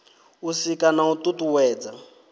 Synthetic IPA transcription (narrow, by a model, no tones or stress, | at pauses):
usikʼanaututuwɛːd͡za